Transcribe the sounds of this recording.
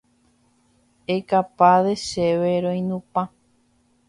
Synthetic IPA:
ekapaðeʃeβeɾõj̃nũpã

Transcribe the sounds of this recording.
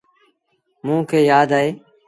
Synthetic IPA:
mũːkʰeːjaːd̪aːɦeː

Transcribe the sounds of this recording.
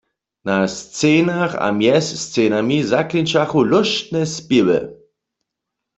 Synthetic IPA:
nast͡seːnaxa̰mjɛsst͡seːnamizaklint͡ʃaxulɔʃtnɛspiwɛ̰

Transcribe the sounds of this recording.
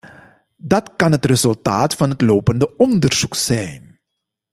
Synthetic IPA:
dɑtkɑnɦətrezɵlˠtaːtfɑnɦətloːpəndəɔndərz̥uksɛjn

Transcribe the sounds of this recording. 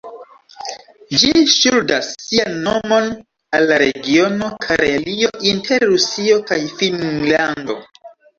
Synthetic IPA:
d͡ʒiʃuldasːianːo̞mo̞n | alːaɾe̞̰ɡio̞no̞kʰaɾelio̞ʔintʰe̞ɾːusio̞kajfinlando̞̰

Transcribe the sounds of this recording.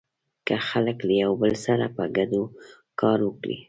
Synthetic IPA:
kəxaləklajawbəlsaɾapəɡad̪o | kɑɾwəkɽḭ

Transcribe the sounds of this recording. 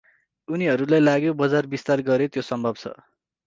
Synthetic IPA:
uniɦʌɾulajlaɡjobʌd͡zarbist̪arɡʌɾet̪josʌmbʱʌbt͡sʰʌ̰

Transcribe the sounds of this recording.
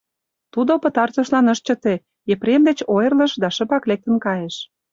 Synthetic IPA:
t̪ud̪opə̆t̪ɑrt̪ə̆ʃlɑnəʃt͡ɕə̆t̪e | epɾemd̪et͡ɕojə̆rlə̆ʃd̪ɑʃə̆pɑklek̚t̪ə̆nkɑjeʃ

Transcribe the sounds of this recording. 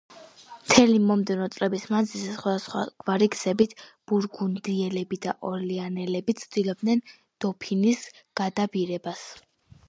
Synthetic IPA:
mt̪ʰɛlimɔmd̪ɛvnɔt̪sʼlɛbismanzilsɛsχwad̪asχwa̰ɡ̥vaɾiɡz̥ɛbit̪ʰb̥uɾɡund̪iɛlɛbid̪aʔɔlianɛlɛbit̪sʰd̪ilɔb̚d̪nɛn | d̪̥ɔpʰinis | ɡ̥ad̪abiɾɛbas

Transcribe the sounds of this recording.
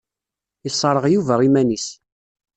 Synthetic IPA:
isˤːɾˤəʁjuvæʁimænis

